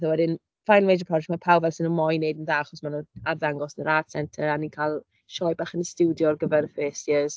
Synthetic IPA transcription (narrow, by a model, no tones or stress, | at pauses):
θawɛdɪn | fajlˠmejd͡ʒəpʰrɔd͡ʒɛktmapʰawvɛlˠsɪnumɔjnejdənðaːaχɔsmanuːarðaŋɡɔsnəɾad̥sɛntʰəɾanikʰalˠ | ʃɔjbaːχənəstuwdjɔrɡəvɛrfeːsjəz